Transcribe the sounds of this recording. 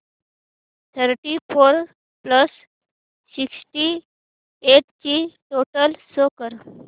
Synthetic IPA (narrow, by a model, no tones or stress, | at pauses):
t̪ʰəɾʈifoɾ | pləs | siksʈi | eʈt͡ɕiʈoʈəlsokəɾ